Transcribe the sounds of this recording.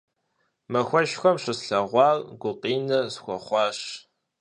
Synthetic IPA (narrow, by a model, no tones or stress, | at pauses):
mɐxʷɔʃxʷɔmʂɨsɬɐʁʷɑːrɡʷʊqʼiːnɐsxʷɔχʷɑːʂ